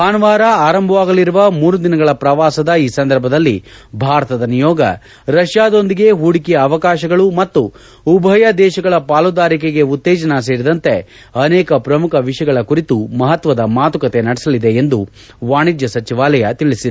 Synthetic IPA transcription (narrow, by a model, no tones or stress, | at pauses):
aːnɐʋaːɾɐaːɾɐmbʱɐʋaːɡɐliɾuʋɐmuːɾud̪inɐɡɐɭɐpɾɐʋaːsɐd̪ɐiːsɐnd̪ɐɾbʱɐd̪ɐlːibʱaːɾɐt̪ɐd̪ɐnijɔːɡɐ̰ | ɾɐʃjaːd̪o̞nd̪iɡe̞ɦuːɽikijɐːʋɐkaːʃɐɡɐɭumɐt̪ːu | ubʱɐjɐd̪ɛːʃɐɡɐɭɐpaːlud̪aːɾikeɡe̞ut̪ːɛːd͡ʒɐnɐs̬eːɾid̪ɐnt̪e̞ | ɐnɛːkɐpɾɐmukʰɐʋiʂjɐɡɐɭɐkuɾit̪umɐɦɐt̪ʋɐd̪ɐmaːt̪ukɐt̪e̞nɐɽɛsɐlid̪e̞end̪u | ʋaːɳid͡ʒjɐsɐt͡ʃiʋaːlɐjɐt̪iɭisi